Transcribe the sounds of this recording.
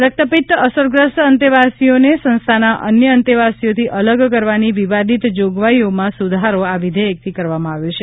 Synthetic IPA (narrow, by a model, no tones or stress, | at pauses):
ɾək̚t̪əpit̪əsəɾɡɾəsʈənt̪iʋasijonesə̃nst̪ʰanaʔə̰njəənt̪iʋasijot̪ʰiələɡkəɾʋaniʋiʋad̪ʱit̪d͡ʒoɡʋaiomãsud̪ʱaɾoaʋid̪ʱeək̚t̪ʰikəɾʋamãaʋjot͡ʃʰe